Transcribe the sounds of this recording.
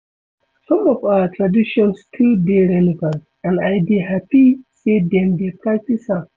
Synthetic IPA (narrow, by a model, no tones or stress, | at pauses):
sɔ̃mɔfaatʰɹadiʃɔ̃nstʰudeɾɛnival | ãnajbiɦapisedɛ̃ndepɹak̚tisa